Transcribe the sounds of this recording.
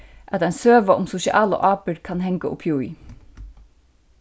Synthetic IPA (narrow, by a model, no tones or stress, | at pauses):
ʔæt̪ansøːʋaʔʊmsʊʃɪʔɑ̰ːlə̰ʔɑːpəɹkʰanɦɛŋkaʔʊ̰pʰjui